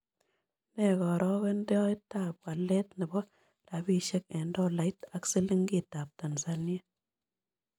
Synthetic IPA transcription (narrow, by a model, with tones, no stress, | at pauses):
mɛ˨kɔ˨ɾɔ˦ɣɛ˦ndɔ˦i˦tːa˨p̚wa˨lɛ˦tnɪ˨bɔ˦ | ɾa˨bi˦ʃɛ˦kɛ˨ndɔ˦la˨ita˦ksi˦li˦ŋɡi˨ta˨p̚ta˨nsa˦nje˦